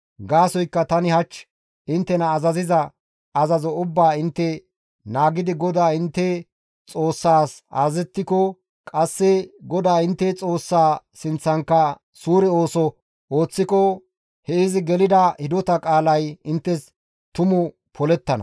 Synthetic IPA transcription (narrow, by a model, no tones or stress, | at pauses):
ɡaːsɔjkːɐt̪ɐnɪhɐt͡ʃː | ɪnt̪ːɛnɐːzɐzɪzɐ | ɐzɐzɔʊbːaːɪnt̪ːɛ | naːɡɪd̪ɪɡɔd̪aːɪnt̪ːɛ | t͡sʼo̞ːsːaːsa̰ːzɛt̪ːɪkɔ | kʼɐsːɛɡɔd̪aːɪnt̪ːɛt͡sʼo̞ːsːaː | sɪnt͡sːɐŋkːɐ | suːɾɛo̞ːsɔ | oːt͡sːɪkɔ | hɛɪzɪɡɛlɪd̪ɐhɪd̪ɔt̪ɐkʼaːlɐjɪnt̪ːɛs | t̪ʊmʊ | pʰɔlɛt̪ːɐnɐ̰